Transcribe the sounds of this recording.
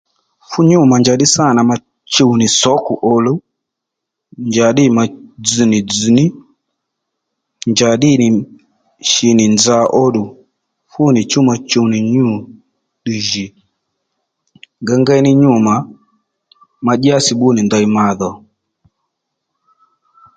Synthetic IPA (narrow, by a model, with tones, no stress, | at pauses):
fu˦ɲu˦ma˨ɲd͡ʒa˨ɗi˦sa˦˨na˨ma˨ | t͡ʃu˦˨u˨ni˨sɔ˦ku˨ʔɔ˨lu˦ | nɲd͡ʒa˨ɗi˦ma˨d͡zi˨ni˨d͡zu˨ni˦ | ɲd͡ʒa˨ɗi˦ni˨ | ʃi˨ni˨nd͡ʒa˨ʔɔ˦ɗu˨ | fu˦ni˨t͡ʃu˦ma˨t͡ʃu˧u˨ni˨ɲu˦˨ | ɗi˨ʒi˨ | ŋɡɛ˦ŋɡɛ˦ni˦ɲu˦ma˨ | ma˨ʄi˦a˦si˨ɓu˦ni˨nda˨i˨ma˨ðɔ˨